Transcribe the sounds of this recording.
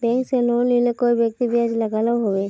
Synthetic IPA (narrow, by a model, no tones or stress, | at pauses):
bɛ̃ŋkselonlilekoibjək̚t̪ibijad͡ʒləɡalaɦobe